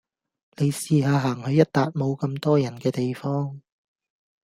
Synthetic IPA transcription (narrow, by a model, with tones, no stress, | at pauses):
ne˨˧jsiː˨˧ɦaː˨˧ɦaː˨˩ŋhɵ˨˧ɥjɐ˥t̚t̪aː˨˧t̚mo˨˧wkɐ˧mt̪ɔː˥jɐ˨˩nkɛː˧t̪e˨jfɔː˥ŋ